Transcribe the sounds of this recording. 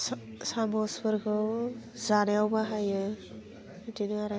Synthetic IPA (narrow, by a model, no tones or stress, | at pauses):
samɔsbɯɾɡʰɯzanejawbaɦajɯ | dinɯaɾa